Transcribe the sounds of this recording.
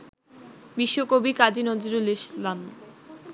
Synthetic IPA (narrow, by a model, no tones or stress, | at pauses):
biʃːokobikad͡ʑinɔd͡ʑuɾeleʃlan